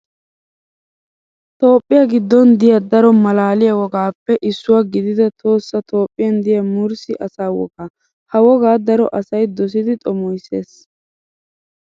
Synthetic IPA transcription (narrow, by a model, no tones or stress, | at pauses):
t̪o̞ːpʼːɪjɐɡɪd̪ːɔnd̪ɪjɐd̪ɐɾɔmɐlaːlɪjɐwɔɡaːpːɛʔɪsːʊwaɡɪd̪ɪd̪ɐt̪ʰo̞ːsːɐt̪ʰo̞ːpʼːɪjɐnd̪ɪjɐmʊɾsɪʔɐsaːwɔ̰ɡaː | hɐwɔɡaːd̪ɐɾɔ̰ʔɐsɐjd̪ɔs̬ɪd̪ɪt̪ʼɔmɔjse̞̰ːs